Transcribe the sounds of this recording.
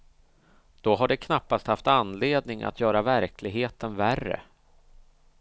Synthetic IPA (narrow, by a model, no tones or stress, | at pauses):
d̪̥ɔɦaɖɛkʰnapːast̪haft̪anleːd̪nɪŋʔa̰t̪ʰjœːɾavæɾkʰlɪɡɦeːt̪ənværːə̰